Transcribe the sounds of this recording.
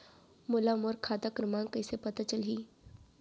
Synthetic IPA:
mʊlamoɾkʰaːd̪akɾɐmãːŋkəɪsepɐt̪at͡ʃəlɦiː

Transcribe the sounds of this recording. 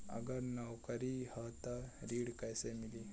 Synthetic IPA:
a̰ɡəɾnawkaɾihat̪aɾiɽkajsemili

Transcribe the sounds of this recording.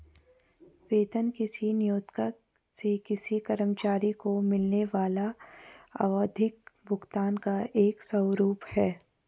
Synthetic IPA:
ʋeːt̪ənkɪsinɪjoːt̪kə | sekɪsikɐɾəmt͡ʃaːɾikomɪlneʋaːla | ɐ̰ʋəd̪ʱɪkbʱʊɡt̪aːnkaʔeːksɐwɾuːphɛː

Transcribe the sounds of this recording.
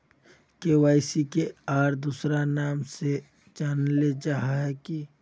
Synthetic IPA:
kewaːɪsikeaːɾd̪uːsɾanaːmse | d͡ʒaːnled͡ʒaːɦaɦɛki

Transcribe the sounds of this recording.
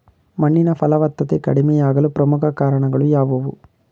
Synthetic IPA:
mɐɳːinɐpɐlɐʋɐt̪ːɐt̪ekɐ̰ɽimɛjaːɡɐlupɾɐmukʰɐkaːɾɐɳɐɡɐɭujaːʋɐʋu

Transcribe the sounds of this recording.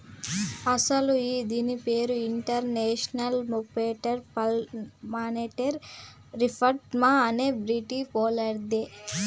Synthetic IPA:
ɐsɐluiːd̪inipeːɾuiɳʈɐɾneːʃnɐlmupeːʈɐɾpɐmaːneːʈeɾː | ipʰɐʈmaɐneːbɾiʈipɔːlɐɽd̪e

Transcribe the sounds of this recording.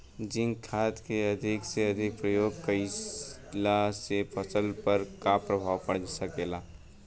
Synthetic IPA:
d͡ʒɪ̃ŋɡkʰaːt̪keɐd̪ʱɪkseɐd̪ʱɪk̚pɾəjoːɡ̚kəis | lasepʰəsəlpɐɾkapɾəbʱaːʋpəɽd͡ʒsɐkeːlaː

